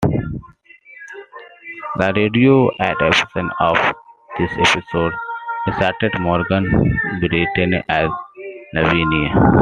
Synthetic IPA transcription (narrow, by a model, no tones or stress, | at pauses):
d̪əɾeːɖioːʔæʈepɪ̥sə̃nɔːʋd̪̥ɪsepɪsoːɖɖɪsaɾʈeɖmɔːɾɡə̃nbɪɾiʈɪ̃ŋæznəʋiːnia